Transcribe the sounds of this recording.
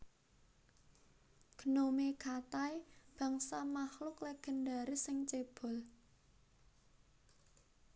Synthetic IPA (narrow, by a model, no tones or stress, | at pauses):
ɡ̥ənomekat̪ajb̥ä̤ŋsamahlʊklɛɡ̥ə̤ndaɾisɪŋt͡ʃeb̥ɔ̤l